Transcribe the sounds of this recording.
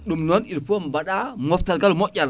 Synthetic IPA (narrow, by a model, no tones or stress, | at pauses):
ɗumnonilpuombaɗamoftalɡalumoal